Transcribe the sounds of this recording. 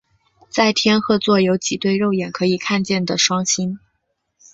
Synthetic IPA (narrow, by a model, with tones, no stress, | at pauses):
t͡sa˥˩ɪt̪ʰjɛ˥nxɤ˥t͡swɔ˥˩jo˧˥ʊt͡ɕi˨˩t̪we˥˧ɪɻo˥˩ʊjɛ˨˩nkʰɤ˧˥i˨˩kʰa˥˧nt͡ɕjɛ˥˩nd̪ə˩ʂwɑ˥ŋɕi˥n